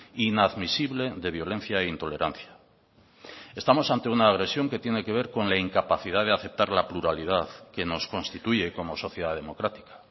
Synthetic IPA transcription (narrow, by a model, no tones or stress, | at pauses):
inaðmisiβle̞ðe̞β̞jo̞lẽ̞n̟θjaeint̪o̞le̞ɾʔan̟θja | est̪amo̞sant̪e̞unaːɣ̞ɾe̞sjo̞ŋke̞t̪je̞ne̞ke̞β̞e̞ɾko̞nlaiŋkapaθiðaðeaθe̞p̚t̪aɾlapluɾaliðaðke̞no̞sko̞nst̪it̪uʝe̞ko̞mo̞so̞θjeðaðe̞mo̞kɾat̪i̥kḁ